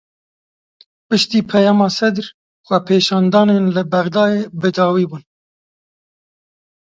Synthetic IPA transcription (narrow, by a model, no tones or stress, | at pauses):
pɨʃt̪iːpʰɛjɑːmɑːsɛd̪ɾ | xʷɛpʰeːʃɑːnd̪ɑːneːnlɨbɛɣd̪ɑːjeːbɨd̪ɑːwiːbuːn